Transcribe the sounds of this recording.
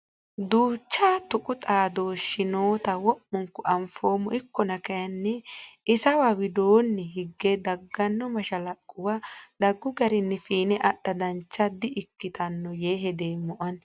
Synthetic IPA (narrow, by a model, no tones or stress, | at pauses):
d̪uːt͡ʃːaːt̪ʊkʼʊt̪ʼaːd̪o̞ːʃɪnoːt̪ɐwɔʔːʊŋkʊʔɐmfo̞ːmɔʔɪkːɔnɐkɐjɐnːɛɪsɐwawɪd̪oːnːɛɦɪɡːɛd̪ɐɡːɐnːɔmɐʃɐlɐkʼːʊwɐd̪ɐɡːʊɡɐɾɪnːɛfiːnɛʔɐɗːɐd̪ɐnt͡ʃːɐd̪ɪʔɪkːɪt̪ɐnːɔjeːɦɛd̪eːmːɔʔɐn